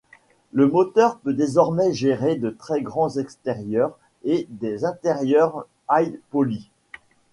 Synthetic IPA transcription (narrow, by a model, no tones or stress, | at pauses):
ləmɔt̪œʁpød̪ezɔʁmɛʒeʁed̪ət̪χɛɡʁɑ̃zɛkst̪eʁjœʁ | ed̪ezɛ̃t̪eʁjœʁ | ajpɔli